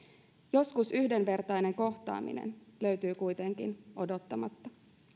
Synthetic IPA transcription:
jo̞skusyhde̞nʋe̞rt̪ɑjne̞ŋko̞xt̪ɑ̰ːmḭnḛnlø̞ɥt̪yːkujt̪e̞ŋk̟ḭno̞do̞t̪ːɑmɑt̪ːɑ

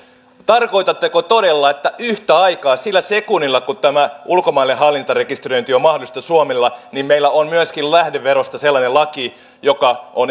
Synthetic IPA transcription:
t̪ɑrko̞jt̪ɑt̪ːɑkot̪odelːɑet̪ːæʔyht̪æɑikɑːsilːæsekunːilːɑkut̪æmæʔulkomɑilːeɦɑlːint̪ɑrekist̪rø̞int̪iomɑhdolˑist̪ɑsuomelːɑnimmeilːæonmyæskillæhdeʋːeɾost̪ɑselːɑnelɑki | jokɑʔon

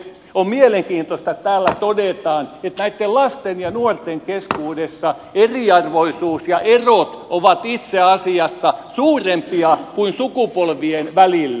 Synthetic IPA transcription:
ommieleŋkiːnt̪ost̪ɑett̪æːlːæt̪odet̪ɑːnet̪næit̪ːellɑst̪enjɑnuort̪eŋkeskuːdesːɑ | eriɑrʋoisuːsjɑʔerot̪ʔoʋɑt̪it̪seɑsiɑsːɑsuːrempiɑkuinsukupolʋienʋælilː

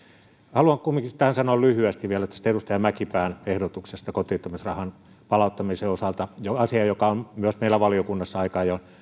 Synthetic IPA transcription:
hɑluɑŋkkumːiŋkist̪ːæhænsɑnoɑlyhyæst̪iʋʋiælæet̪ːæsi̥t̪erust̪ɑjɑmækipæːnehdot̪uksest̪ɑkot̪iːt̪ːomisrɑhɑn | pɑlɑut̪ːɑmiseosɑlt̪ɑjoɑsiɑjokɑommyøsmeilːˑæʋɑliokunːɑsːɑɑikɑːjɑn

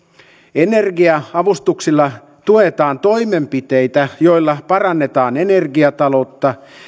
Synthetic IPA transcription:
enerɡiɑɑʋust̪uksilːɑ | t̪uet̪ɑːnt̪o̞imempit̪ejt̪æjo̞ilːɑpɑrɑnːet̪ɑːnenerɡiɑt̪ɑlo̞t̪ːɑ

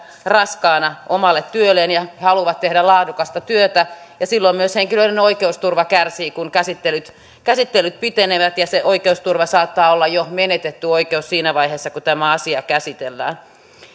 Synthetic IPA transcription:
rɑskɑːnɑʔomɑlːet̪t̪yølːenjɑhɑluʋɑt̪t̪ehdælɑːdukɑst̪ɑt̪yøt̪æjɑsilːomyøsheŋkiløinenoikeust̪urʋɑkærsiːkunkæsit̪ːelyt̪ | kæsit̪ːelːˑyt̪̚pit̪eneʋæt̪jɑseʔoikeust̪urʋɑsɑːt̪ːɑːolːɑjomenet̪et̪ːyoikeussiːnæʋɑiheːsːɑkut̪æmæɑsiɑkæsit̪elːæːn

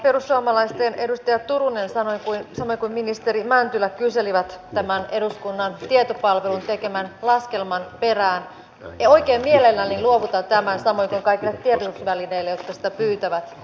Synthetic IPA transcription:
pe̞rusːuɑmɑlɑist̪ene̞dust̪ɑjɑt̪uɾunensɑnoikuinsɑmojkuimminist̪eɾimænt̪ylækyse̞liʋæt̪ːæmæneduskunːɑnt̪iet̪opɑlʋe̞lunt̪ekemænlɑske̞lmɑnperæːn | oikeːmmielelːænːinluoʋut̪ɑt̪æmænsɑmo̞jkuiŋkɑikilːet̪t̪ːietosusʋælineilːejot̪kɑsi̥t̪æpyːt̪æʋæt̪

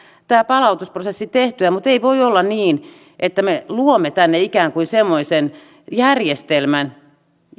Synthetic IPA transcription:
t̪æːpɑlɑut̪usprosesːit̪eht̪yæmut̪eiʋoiolːɑnniːn | ʔet̪ːæmeluomːet̪ænːeikæːŋkuinsemːoisen | jærjest̪elmæn

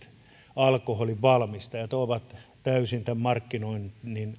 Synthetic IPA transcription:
t̪ | ɑlkoholiʋʋɑlmist̪ɑjɑt̪oiʋɑt̪t̪æysint̪æmmɑrkːinoinnin

